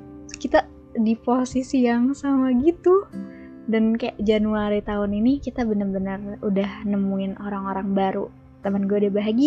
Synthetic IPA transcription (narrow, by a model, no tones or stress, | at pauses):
kit̪a | diposisijaŋsamaɡit̪u | dankajaʔd͡ʒanuaɾit̪aʊninikit̪abənərbənərudahnəmuɪnʔoɾaŋoɾaŋbaɾu | t̪əmanɡuaudabaɦaɡi